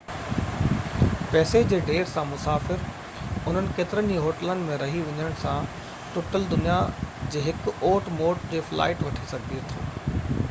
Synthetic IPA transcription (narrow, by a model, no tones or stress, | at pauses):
pɛːsed͡ʑeːɖeːɾsãmʊsaːfɪɾ | ʊn̤ənɪ̆keːt̪ɪɾənd͡ʑiɦoːʈələnɪ̆mẽɾɐɦiʋɐ̃ɲəɽ̃sã | ʈʊʈəld̪ʊnijad͡ʑeːɦɪkoːʈmoːʈd͡ʑeːfla̰ːɪʈʋɐʈʰisɐɡ̚piet̪ʰoː